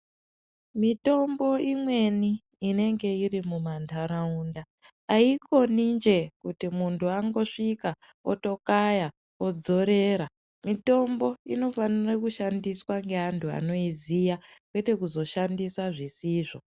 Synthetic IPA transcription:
mito̞mbo̞imwe̞niː | ne̞ŋɡe̞irimumantʰaɾaundaː | iko̞nind͡ʒe̞kutimuntuaŋɡo̞ʂikao̰to̞kaja | o̞d͡zo̞ɾe̞ːɾa | mito̞mbo̞ino̞fanirakuʃandiswaŋɡeɦantʰua̰no̞izijakwe̞te̞kuzo̞ʃandisaʐisiːʐo̞

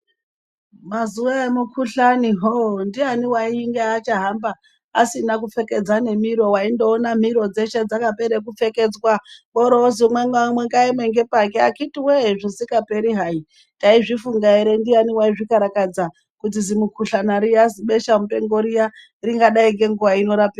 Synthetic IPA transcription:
mazuwaemukʰuɬaniɦondianiwaiŋɡeat͡ʃaɦambaː | sinakufe̞ke̞d͡zane̞miɾo̞waindoːnam̤iɾo̞d͡ze̞ʃed͡zakapeɾek̬ufe̞ke̞d͡zwaɓoɾoozimweŋɡamweŋɡaimweŋɡepakeakitiweɦʐisikape̞ɾiɦai | taiʐifuŋɡaiɾe̞ndianiwaiʐikaɾakad͡za | kut̬izimukʰuɬanaɾijaziɓeʃam̩upe̞ŋɡoɾija | riŋɡaɗaiŋɡeŋɡuwaino̞ɾapira

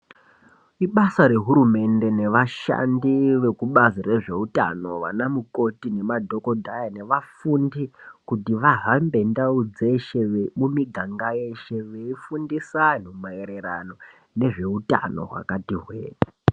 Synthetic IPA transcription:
iɓasaɾe̞ɦuɾume̞nde̞ne̞ʋaʃa̰ndiʋe̞kuɓazire̞ʐe̞uta̰no̞ʋa̰namuko̞tine̞madʱo̞kodʱajane̞ʋafundikutiʋaɦambe̞ndaud͡zeʃeʋemumiɡʱaŋɡaje̞ʃe̞ʋeifundisan̤umaeɾe̞ɾa̰no̞ | ne̞ʐe̞uta̰no̞̰ɦwa̰katiɦwḛːta

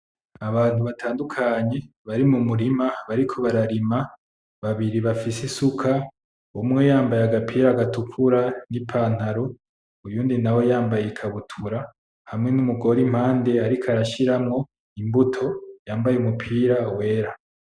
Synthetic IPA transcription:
aβaːn̥huβatʰaːndukʰaɲe̞ | βaɾimumuɾimaβaɾikʰo̞βaɾaɾima | βaβiɾiβafisesukʰa | omwe̞jaːmbajaɡapʰiːɾaɡatukʰuɾanipʰaːn̥haɾo | ujuːndinawo̞jaːmbajekʰaβutʰuɾa | hamŋe̞numuɡo̞ɾim̥haːnde̞aɾikʰaɾaʃiɾamŋo̞ | imbutʰo̞jaːmbajeumupʰiːɾawe̞ːɾa

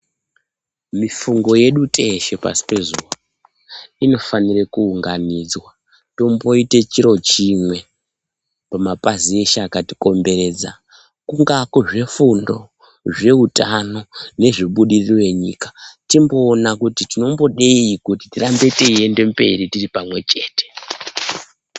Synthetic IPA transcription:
mifuŋɡo̞je̞ɗutʼe̞ʃe̞pa̰si̥pe̞zuwa | ino̞fanirekuuŋɡanid͡zwa | to̞mbo̞ite̞t͡ʃiɾo̞t͡ʃimwe̞ | pamapazieʃaːkatiko̞mbe̞ɾe̞ːd͡za | kuŋɡakoʐe̞fundo̞ | ʐe̞utano̞ne̞ʐiɓuɗirirwe̞ɲḭːkḁtimbo̞ːnakutitino̞mbo̞ɗeikutitirambe̞teie̞nde̞mbe̞̰ɾitiripamwe̞t͡ʃe̞ːte̥

